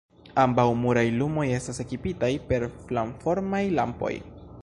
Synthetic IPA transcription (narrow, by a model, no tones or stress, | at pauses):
ambawmuɾajlumo̞je̞stase̞kipitajpe̞ɾflaɱfo̞ɾmajlampo̞̰j